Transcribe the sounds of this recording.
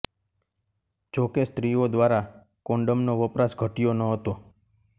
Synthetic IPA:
d͡ʒokest̪ɾiod̪ʋaɾa | koɳɖəmnoʋəpɾasɡʱəʈijonəɦət̪o

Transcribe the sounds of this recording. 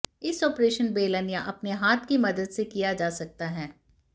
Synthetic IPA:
ɪsɔːpɾeːʃənbeːlənjaʔɐpneɦaːt̪ʰkimɐd̪əd̪sekijad͡ʒaːsɐk̚t̪aɦɛː

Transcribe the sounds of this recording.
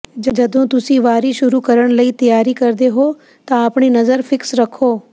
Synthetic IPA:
d͡ʒɐd͡ʒɐd̪õːt̪ʊsĩːʋaːɾiʃʊɾukəɾəɽ̃ləiːt̪ɐjaːɾikəɾd̪eɦoː | t̪ãəpɳ̃inɐzəɾfʰɪksɾɐkʰoː

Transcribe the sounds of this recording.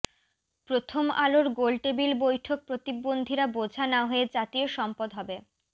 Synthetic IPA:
pɾot̪ʰomaloɾɡolʈebilbojʈʰok̚pɾot̪ibːond̪ʱiɾabod͡ʑʱanaɦoed͡ʑat̪ioʃɔmpod̪ɦɔbe

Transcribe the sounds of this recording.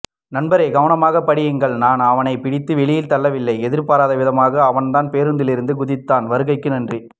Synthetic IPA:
nɐnbɐɾeːɡɐʋɐnɐmaːɣɐpːɐɽɪjɯŋɡɐɭnaːnɐʋɐnɐɪpɪɽɪt̪ːɯʋɛɭɪjɪlt̪ɐlːɐʋɪlːɐɪɛðɪɾpaːɾaːðɐʋɪðɐmaːɣɐːʋɐnt̪aːnpeːɾɯnd̪ɪlɪɾɯnd̪ɯɡʊðɪt̪ːaːnʋɐɾɯɣɐɪkːɯnɐndri

